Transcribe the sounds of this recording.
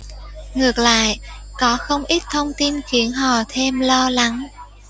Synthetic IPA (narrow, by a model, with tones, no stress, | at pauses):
ŋɨ˨˩ək̚la̰ː˧˨jkɔ˨˦xə˧wŋ͡mʔi˦˥t̚t̪ʰə˧wŋ͡mt̪i˧nxi˨˦ənɦɔ˧˨˩t̪ʰe˧mlɔ˧la˨˦ŋ